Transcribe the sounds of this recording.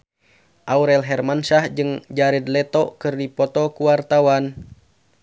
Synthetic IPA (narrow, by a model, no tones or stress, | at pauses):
ʔauɾɛlɦɛrmansahd͡ʒɨŋd͡ʒaɾɛd̪lɛt̪ɔkɨrdipɔt̪ɔkuwart̪awan